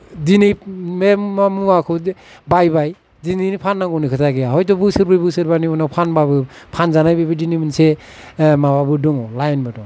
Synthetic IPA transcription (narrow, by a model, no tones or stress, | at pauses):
dinimemmamuakʰɯbajbaj | dininipʰanːaŋɡɔnikʰɯtʰaɡijaɦɔjtɔbɯsɯɾbɯjbɯsɯɾbaniɔnapʰanbabɯpʰanzanajbibɯdinimɯnse | mababɯdɔŋɔlajnbɯdɔ